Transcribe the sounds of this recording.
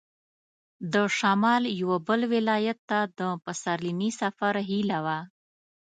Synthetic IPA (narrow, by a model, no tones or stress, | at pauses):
d̪əʃamɑljawabəlwɪlɑjat̪ːad̪əpasaɾlinisafaɾɦilawa